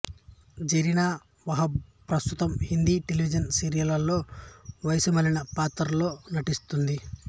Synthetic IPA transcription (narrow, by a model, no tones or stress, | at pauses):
d͡ʒeɾinaː | ʋɐɦɐpɾɐst̪ut̪ɐmhind̪iʈeliʋid͡ʒɐnsiɾijɐlɐlːo̞ːʋɐjsumɐlinɐpaːt̪ɐɾlo̞ːnɐʈist̪und̪i